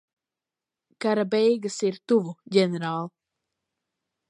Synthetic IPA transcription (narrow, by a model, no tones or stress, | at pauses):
kaɾabɛjɡasiɾt̪uvuɟɛneɾaːlˠ